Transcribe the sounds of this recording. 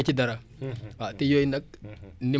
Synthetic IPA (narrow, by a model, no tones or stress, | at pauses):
t͡ʃidaɾa | watijoinak̚ni